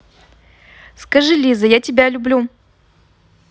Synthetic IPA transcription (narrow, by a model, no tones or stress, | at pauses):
skɐʐɨlʲizəjatʲɪbʲalʲʊblʲu